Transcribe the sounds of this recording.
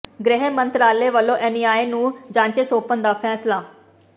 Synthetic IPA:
ɡɾɪɦeːmənt̪ɾaːleːʋəlːõːʔɛːniːaːenũːd͡ʒãːɲt͡ʃeːsoːpənd̪aːpʰɛːslaː

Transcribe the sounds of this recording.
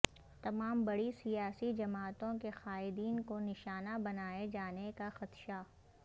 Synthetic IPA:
t̪ɐmaːmbɐɽisijaːsid͡ʒɐmaːt̪õkexaːɪd̪iːnkonɪʃaːnabɐnaːed͡ʒaːnekaxɐt̪ʃa

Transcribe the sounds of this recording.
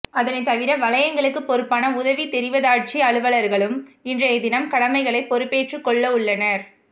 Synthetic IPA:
ɐðɐnɐɪt̪ːɐʋɪɾɐʋɐlɐjɐŋɡɐɭɯkːɯpɔɾɯpːaːnɐʊðɐʋit̪ɛɾɪʋɐðaːʈ̚t͡ʃiɐɭɯʋɐɭɐɾɣɐɭɯmɪndrɐjɐd̪ɪnɐmkɐɽɐmɐɪɣɐɭɐɪpːɔɾɯpːeːʈrɯkːɔɭːɐʊɭːɐnɐɾ

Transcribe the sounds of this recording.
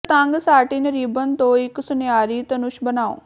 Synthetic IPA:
t̪ãːŋɡsaːʈinəɾiːbənt̪õːɪkːsʊnjaːɾit̪ɐnʊʃbənaːo̰ː

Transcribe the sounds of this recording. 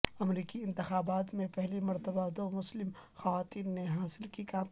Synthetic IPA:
ɐmɾiːkiɪ̃nt̪ɪxaːbaːt̪mẽpɛɦlimɐɾt̪əbad̪oːmʊslɪm | xɐʋaːt̪iːnːeɦaːsɪlkikaːm

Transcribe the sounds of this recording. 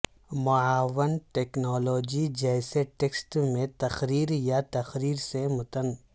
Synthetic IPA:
mʊaːʋənʈeːknɔːloːd͡ʒid͡ʒɛːseʈeːksʈmẽt̪ɐxɾiːɾjat̪ɐxɾiːɾsemʊt̪ən

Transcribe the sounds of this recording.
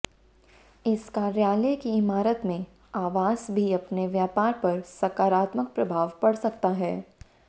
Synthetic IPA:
ɪskaːɾjaːləkiɪmaːɾət̪mẽ | aːʋaːzbʱiɐpneʋjaːpaːɾpɐɾsɐkaːɾaːt̪mək̚pɾɐbʱaːʋpɐɽsɐk̚t̪aɦɛː

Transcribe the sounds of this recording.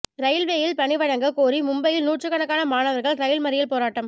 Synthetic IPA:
ɾɐjɪlʋeːjɪlpɐɳɪʋɐɻɐŋɡɐkoːɾimʊmbɐjɪlnuːʈrɯkɐɳɐkːaːnɐmaːnɐʋɐɾɣɐɭɾɐjɪlmɐɾɪjɪlpoːɾaːʈːɐm

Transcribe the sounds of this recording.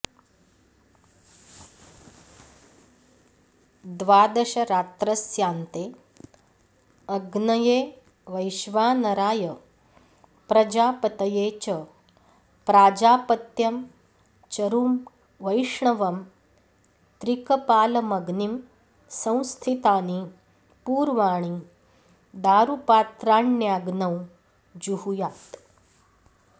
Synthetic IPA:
d̪ʋaːd̪ɐɕɐɾaːt̪ɾɐsjaːnt̪eː | ɐɡnɐjeː | ʋɐjʃʋaːnɐɾaːjə | pɾɐd͡ʑaːpɐt̪ɐjeːt͡ɕə | pɾaːd͡ʒaːpɐt̪jɐm | t͡ʃɐɾuːm | ʋɐjʂɳɐʋɐm | t̪ɾikɐpaːlɐmɐɡnim | sɐ̃w̃st̪ʰit̪aːni | puːɾʋaːɳ̃i | d̪aːɾupaːt̪ɾaːɳjaːɡnɐw | d͡ʒuhujaːt̪

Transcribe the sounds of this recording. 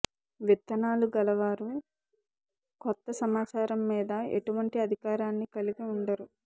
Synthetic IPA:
ʋit̪ːɐnaːluɡɐlɐʋaːɾu | kɔt̪ːɐsɐmaːt͡ʃaːɾɐmːiːd̪ɐḛʈuʋɐɳʈiɐd̪ʱikaːɾaːnːikɐliɡiuɳɖɐɾu

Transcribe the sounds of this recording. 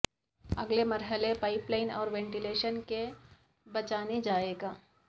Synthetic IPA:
ɐɡlemɐɾɦəlepaːɪplaːɪnɔ̰ːɾʋɛ̃ɳʈileːʃənke | bɐt͡ʃaːned͡ʒaːeːɡaː

